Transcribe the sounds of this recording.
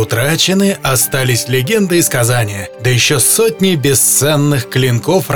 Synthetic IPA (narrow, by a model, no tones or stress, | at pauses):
ʊt̪ɾat͡ɕɪnɨʔɐst̪alʲɪsʲlʲɪɡʲe̞nd̪ɨɪskɐzanʲɪjəd̪əjɪɕːosot̚ʲnʲɪbʲɪst̪sɛnːɨxklʲɪnko̞fr